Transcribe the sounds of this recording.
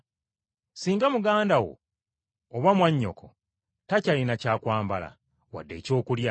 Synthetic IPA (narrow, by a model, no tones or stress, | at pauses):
siːŋɡamuɡaːndawo̞̰ː | βwamwaɲːo̞̰kʰo | tacalinacaːkwaːmbala̰ | wa̰dːe̞ːco̞ːkulja